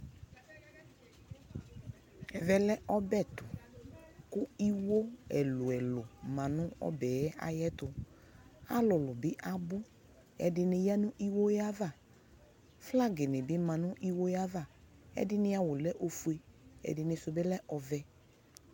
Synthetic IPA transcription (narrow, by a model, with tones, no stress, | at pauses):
ɛ˨vɛ˨lɛ˦ʔɔ˦bɛ˦˨tʊ˨ | kʊ˦i˦wo˦ɛ˨lʊ˨ɛ˨lʊ˨mã˨nʊ̃˦ɔ̰˦bɛ˨ɛ˦a̰˦jɛ˦tʊ˨ | a̰˦lʊ˨lʊ˨bɪ˦ʔa˨bʊ˦ | ɛ̰˨dɪ˧nɪ˧ja˦nʊ̃˦ʔi˦wo˦ja˦va˦˨ | fla˦˨ɡɪ˨nɪ˨bɪ˦mã˨nʊ˦ʔi˦wo˦ja˦va˦˨ | ɛ̰˦dɪ˦nɪ˦a˨wʊ˨lɛ˦ʔo˨fu˨e˦ɛ̰˨dɪ˨nɪ˧sʊ˧bɛ˦lɛ˦ʔɔ˧vɛ˨